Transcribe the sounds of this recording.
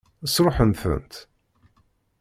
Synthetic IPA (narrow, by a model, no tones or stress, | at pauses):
əsɾoħənθə̰nt̪